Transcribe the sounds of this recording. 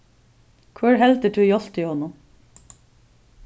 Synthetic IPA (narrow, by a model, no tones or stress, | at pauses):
kʰʋæːɹɦɛlt̪əʈʰʉːjɔl̥t̪iːhɔnʊm